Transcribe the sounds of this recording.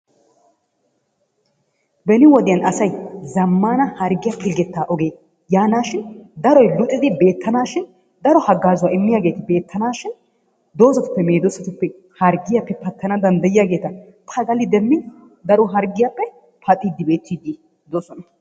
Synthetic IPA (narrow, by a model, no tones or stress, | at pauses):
bɛnɪwɔd̪ɪjɐnɐsɐjzɐmːaːnɐhɐɾɡɪjapʰɪlɡɛt̪ːaːʔɔɡe̞ː | jaːnaːʃɪnd̪ɐɾɔjlʊt̪ʼːɪd̪ɪbe̞ːt̪ːɐnaːʃɪn | d̪ɐɾɔhɐɡːaːzʊwaːɪmːɪjaːɡe̞ːt̪ɪbe̞ːt̪ʰːɐnaːʃɪn | d̪o̞ːzɐt̪ʊ̥pːɛme̞ːd̪ɔsɐt̪ʊpːɛ | hɐɾɡɪjapːɛpɐt̪ːɐnɐd̪ɐnd̪ɐjɪjaɡeːt̪ɐ | t̪ʰɐɡɐlːɪd̪ɛmːɪ | d̪ɐɾɔɦɐɾɡɪjapːɛ | pʰɐt̪ʼːiːd̪ːɪbe̞ːt̪ːiːd̪e | d̪oːsɔnɐ